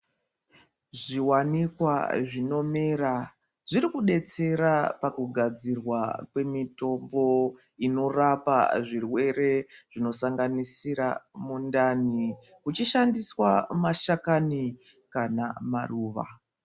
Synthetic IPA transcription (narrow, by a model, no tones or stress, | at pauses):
ʐiwanikwa̰ʐino̞meɾa | ʐiɾikuɗe̞t͡se̞ɾapakuɡʱad͡zirwakwe̞mito̞mbo̞ | ino̞rapa̰ʐirwe̞ɾe̞ʐ̥ino̞saŋɡanisiɾa̰mundani | kut͡ʃiʃandiswamaʃakani | kanamaruːʋa̰